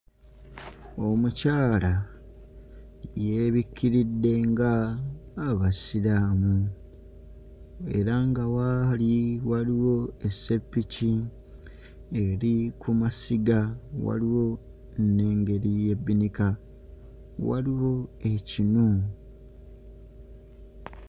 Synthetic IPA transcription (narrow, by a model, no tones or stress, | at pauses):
o̞mucaːla | je̞βikʰːiɾidːe̞ŋɡaː | βasilaːmu | e̞̰ɾaŋɡawaliwaliwo̞e̞se̞pːici | e̞ɾikumasiɡawa̰liwo̞ | nːe̞ːŋɡe̞ɾije̞bːinika | wa̰liwo̞e̞cinu